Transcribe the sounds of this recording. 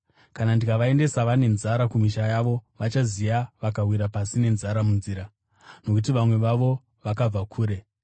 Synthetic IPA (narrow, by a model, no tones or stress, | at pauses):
kanandikaʋae̞nde̞saʋane̞nzaɾakumiʃajaʋo̞ʋat͡ʃazijaʋakawiɾapasine̞nzaɾamunziːɾa | no̞kutiʋamwe̞ʋaʋo̞ | ʋakab͡vakʰuːɾe̞